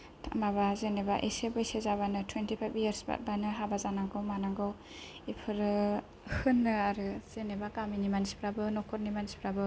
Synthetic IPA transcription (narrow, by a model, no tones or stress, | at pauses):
tʰa̰maβazenebaʔisebɯsezabanɯtʰwentipʰajbjaɾsba̰t̚banɯɦabazanaɡɔwmanaɡɔw | ipʰɯɾɯ | hɯnːɯaɾɯz̥enebakaminimansi̥pʰɾabɯnɔkʰɔɾnimansi̥pʰɾabɯ